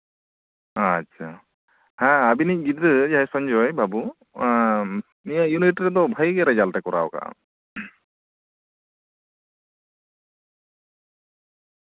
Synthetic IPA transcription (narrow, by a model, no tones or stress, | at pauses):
atːt͡ʃʰa | hãabinic̚ɡiʈd̪ɯd͡ʒaɦɛsɔɲd͡ʒɔjbʱabu | nijajuniʈɾɛd̪ɔbʱajɡɛɾad͡ʒalʈakɔɾa̰wka̰ʔ